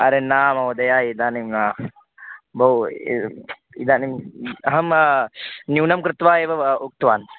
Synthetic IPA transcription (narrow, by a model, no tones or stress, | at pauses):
ɐɾenaːmɐʋɐd̪ɐjaːid̪aːnimnaː | bʱɐw | id̪aːnimɦɐm | njuːnɐmkɾɪt̪ʋaːeːʋɐuk̚t̪ʋaːn